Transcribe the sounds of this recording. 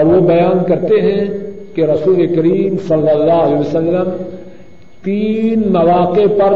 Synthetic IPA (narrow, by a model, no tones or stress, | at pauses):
ɔːɾʋobɐjaːnkɐɾt̪eɦɛ̃keɾɐsuːlekɐɾiːmsɐlːəlːaːɦlɛːʋɐsəlːəm | t̪iːnmɐʋaːqepɐɾ